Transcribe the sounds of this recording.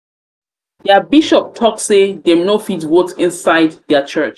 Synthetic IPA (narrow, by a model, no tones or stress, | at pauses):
dɛbiʃɔp̚tʰɔkssedɛmnofidwotɪ̃nsaɪdðɛət͡ʃʰɜt͡ʃ